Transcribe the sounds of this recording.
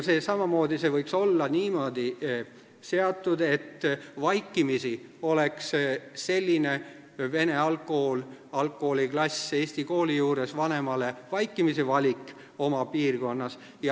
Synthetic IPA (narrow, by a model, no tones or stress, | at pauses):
sesɑmɑmo̞ːd̪̥ise̞vɤjkso̞lːɑniːmo̞ːd̪̥i | se̞ɑt̪ːˑud̪̥e̞t̪ːvɑjkːˑimisio̞le̞ksse̞lʲːine | ve̞neɑlkːˑo̞holɑlkːˑoholiklɑsʲe̞ːsʲt̪iko̞ːlijuːɾe̞svɑne̞mɑle̞vɑjkːimisevɑlʲikˑ | o̞mɑpiːrɡo̞nːɑs | jɑ